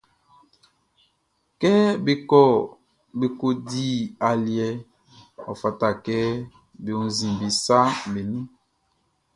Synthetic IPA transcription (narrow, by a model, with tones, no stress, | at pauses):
kɛ˦bi˦kɔ˦˨ | bi˦ko˦di˦a˨ljɛ˦ | ɔ̰˨fa˨ta˦˨kɛ˦ | bi˨ũ˦n˦zĩ˨bi˨sa˦be˨nĩ˦